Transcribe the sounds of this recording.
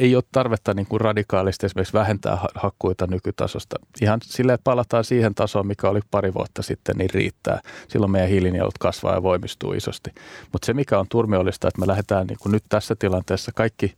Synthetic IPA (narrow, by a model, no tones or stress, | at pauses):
eioːtt̪ɑrʋet̪ːɑniːŋkurrɑdikɑːlist̪esimeriksʋæhent̪æ̰ːhɑhɑkːuit̪ɑnykyt̪ɑ̰so̰st̪ɑihɑnsilːeːt̪̚pɑlːˑɑt̪ɑːnsiːhent̪ɑsoːmmikæolipɑriʋṵɑt̪ːɑsit̪ːḛnniːrrḭːt̪ːæ̰ːsḭlːomeijæ̃hilinio̰lt̪kɑsʋɑ̰ːjɑ̰ʋoimist̪ṵːḭso̰st̪i̥mut̪semikæont̪urmiolːist̪ɑet̪melæhet̪æːnnḭːŋkunnyt̪t̪æsːæt̪ilɑnt̪eːsːɑkɑikːi